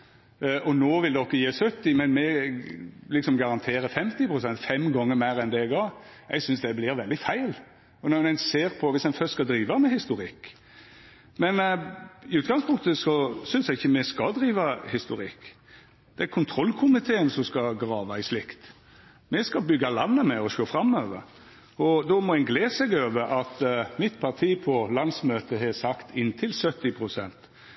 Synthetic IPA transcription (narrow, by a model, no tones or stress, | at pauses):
ʔɔnoːʋɪld̪ɛɔkːəjeːsœt̪ːɪmɛnmɛ | lɪksɔmɡɑɾɑnt̪ʰeːɾəfɛmt̪ɪpʰɾʊsɛnt̪fɛmɡɔŋːəɾmæɪɾɛnd̪ɛɛɡ̪ɑːɾ | ɛ̰ɡsʏnsd̪ɛblɪɾʋɛld̪ɪfæɪl | ɔnɔmnɛɪnseːɾpʰɔʋɪsɛɪnfœst̪skɑd̪ɾiːʋɑmɛhɪst̪ʊɾɪkː | mɛnɪʉːt̪̚ɡɑŋspʰʊŋkt̪əsɔsʏnsjɛɡɪçːəmɛskɑd̪ɾiːʋɑhɪst̪ʊɾɪkː | d̪̥ɛæɾkʰʊnt̪ʰɾɔlkʰʊmɪt̪ʰeːənsɔmskɑɡɾɑːʋɑɪslɪkt̪ | mɛskɑbʏɡɑlɑnːəmɛɔʃoːfɾɑmːøːʋə̰ɾ | ɔd̪ɔmɔɛnɡleːsɛɡøːʋəɾɑt̪mɪt̪pʰɑɾt̪ʰiːpʰɔlɑnsmøːt̪əɦɛsɑkt̪ʰɪnːt̪ʰɪlsœt̪ːɪpʰɾʊsɛnt̪